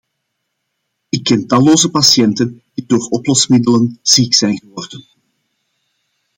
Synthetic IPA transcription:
ɪkːɛntɑloːzəpasjɛntənd̥idoːrɔplɔsmɪdələnz̥iːksɛjnɣəʋɔrdən

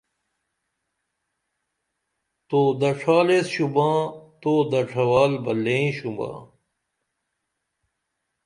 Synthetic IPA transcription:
t̪oːd̪ɐʈ͡ʂʰaːlesɕubãːt̪oːd̪ɐʈ͡ʂʰɐwaːlbɐlːẽɕumbã̰ː

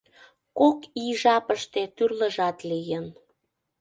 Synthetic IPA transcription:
kokiʒɑpəʃt̪et̪yrləʒɑt̪lijən

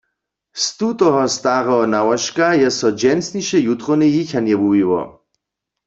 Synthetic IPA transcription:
st̪ut̪ɔɦɔst̪aʁɔɦɔnawaʃkajɛsɔd͡ʒɛnsniʃɛjut̪ʁonɪjiçanjɛbuwiwɔ̰

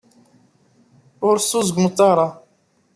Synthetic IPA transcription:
ʊɾsuzɡmət̪ˤːɑɾˤɑ

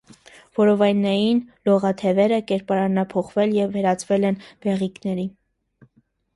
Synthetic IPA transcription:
v̥ɔɾɔvɑjnːɑjinlɔʁɑt̪ʰɛvɛɾəkɛɾpɑɾɑnɑpʰɔχvɛljɛvːɛɾɑt͡svɛlɛnb̥ɛʁiknɛɾi

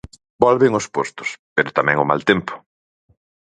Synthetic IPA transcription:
bɔlβɪŋʊspost̪ʊ̥speɾʊt̪amɛ̃ŋʊma̰lt̪empʊ̥

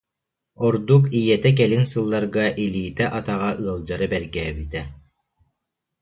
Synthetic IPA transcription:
ɔɾd̪ukijɛt̪ɛk̬ɛlinsɯlˠːaɾɡaʔiliːt̪ɛʔat̪aʁaʔɯɐlˠd͡ʑaɾɯbɛɾɡɛːbit̪ɛ

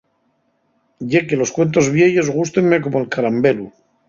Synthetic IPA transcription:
ɟ͡ʝe̞ke̞lo̞skwe̞nt̪o̞zβjeʝo̞zɣ̞ust̪e̞ŋme̞ko̞moelkaɾambe̞lu

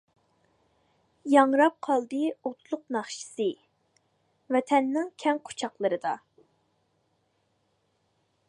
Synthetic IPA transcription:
jɑŋɾɑp̚qʰɑlˠd̪ɨot̪ʰlˠʊqnɑχʃi̥sɨ | vɛt̪ʰɛnːɪŋkʲʰɛŋqʰo̥t͡ʃʰɑqlˠɨɾɨd̪ɑ

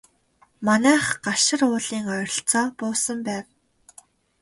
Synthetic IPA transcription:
manæːχɢaʃɪ̆rʊːɮiːŋœjɾɞ̆ɬt͡sɔːpʊːsə̆mpæːw

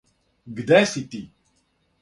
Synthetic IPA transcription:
ɡd̪asit̪i

